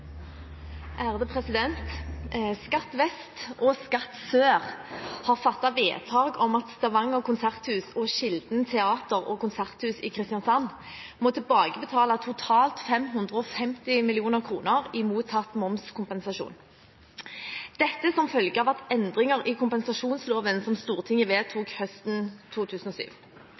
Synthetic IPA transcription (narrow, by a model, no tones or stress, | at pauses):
ʔæːʁd̪əpʰʁɛsɪd̪ɛnt̪skɑt̪ʋɛst̪ʔɔskɑt̪søːʁhɑːʁfɑt̪ːɑʋeːt̪ʰɑːɡɔmɑt̪st̪ɑʋɑŋːɔkʊnsæʁt̪hʉːsɔʃɪld̪n̩t̪ʰɛɑːt̪əʁɔːkʊnsæʁt̪hʉːsɪːkʰʁɪst̪jɑnsɑn | mɔt̪ʰɪlbɑːɡəbət̪ʰɑːlɑt̪ʰʊt̪ʰɑːlt̪fɛmɦʉnd̪ʁəɔfɛmt̪ɪmɪlɪuːnəʁkʰʁṵːnəʁɪmuːt̪ʰɑt̪ːmɔmskʊmpɛnsɑʃṵːn | d̪̥ɛt̪ːəsɔmfœlɡəɑʋæt̪ɛnd̪ʁɪŋəʁɪkʰʊmpɛnsɑʃuːnsloːʋənsɔmst̪uːʁt̪ʰɪŋːəʋeːt̪ʰuːkhœst̪n̩t̪ʰuːt̪ʰʉːsən̩ɔsy̰ːʋ